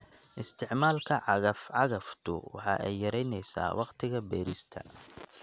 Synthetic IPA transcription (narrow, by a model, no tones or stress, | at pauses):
ʔɪst̪ʰɪʕmaːlkʰɐʕɑɣɐfʕɑɣɐft̪ʰʊ̰wɑ̰ħɑ̰ːʔɛjːɐɾɛjnɛjsa̰ːwʔɑqt̪ʰɪɣɐbɛːɾist̪ʰɐ̰